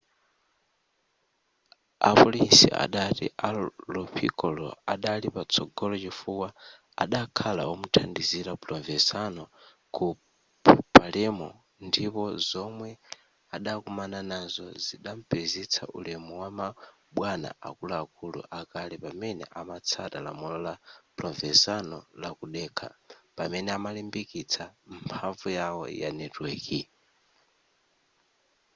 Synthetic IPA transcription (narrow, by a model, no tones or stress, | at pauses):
a̰pɔlinsḭa̰ɗatḭʔalɔpʰḭkɔlɔ̰aɗalipat͡sʰɔɡɔlɔt͡ʃifuwa | a̰ɗakʰala̰wɔmutʰandiziɾaplɔɱvɛsanɔ | ku | ppʰalɛmɔ | ndipɔzɔmwɛ | aɗakumananazɔziɗaɱ̩pezit͡sʰa̰ʔulɛmɔwama | ɓwana̰ʔa̰kulaːkulṵʔakalɛpamɛnɛ̰ʔamat͡sʰatala̰mulɔlaplɔvɛsanɔlakuɗɛkʰa̰pamɛnɛamalimbikit͡sʰampʰaɱvujawɔ̰ja̰nɛtwɛːki